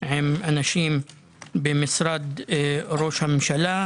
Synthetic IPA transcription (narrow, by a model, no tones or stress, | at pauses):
ʕɪmʔanaʃiːm | bɪmɪsɾˤɑd̪ɾoːʃamʃala